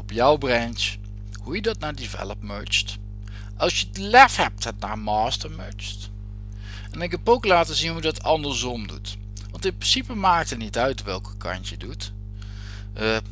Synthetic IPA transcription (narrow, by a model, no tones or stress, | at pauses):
ɔpjʌwbrɛnt͡ʃ | hujədɑtnaːɹdivɛ̰ləpmø̰ɹt͡ʃt | ʔɑlˠsjədlɛfhɛp̚tɛtna̰ːɹmaːstəɹmøɹt͡ʃt | ɛnɪkɛpowklaːtəzinɦudɑtɑndəɹzɔmdṵt | ʋɑntɪnprɪnsipəmaːk̚tətnitœɥtʋɛlˠkəkɑ̰ntjədut